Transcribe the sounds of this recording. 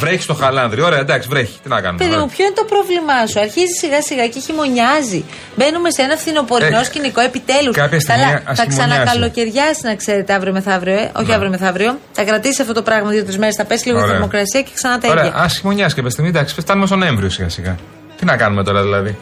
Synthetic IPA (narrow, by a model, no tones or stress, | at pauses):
vɾeçi̥st̪o̞xɐlɐnðɾiooɾeɐd̪ɐksivɾeçi̥t̪inɐkɐ̰numepeðimupço̞inet̪o̞pɾo̞vlimɐsuɐɾçizisiɣɐsiɣɐceçimo̞ɲɐzi | be̞nume̞seenɐfθino̞po̞ɾinosciniko̞e̞pit̪e̞luskɐpçɐst̪iɐlɐiɐsθɐiksmɐnɐkɐlo̞ce̞ɾʝɐsi̥znɐkse̞ɾe̞t̪eɐvɾiomeθɐvɾioʔo̞̰çiɐvɾiomeθɐvɾio̞θɐkɾɐt̪isisɐft̪o̞t̪o̞pɾɐɣmɐt̪iot̪t̪uzme̞ɾesθɐpe̞si̥liɣoɾeimo̞kɾɐsiɐceksɐnɐt̪ɐeoɾeɐɐʔɐsçimo̞ɲɐsikɐpçɐst̪iɣmid̪ɐksi̥fft̪ɐnumest̪oneɱvɾiosiɣɐ̰siɣɐ̰ | t̪inɐkɐnumet̪o̞ɾɐðilɐði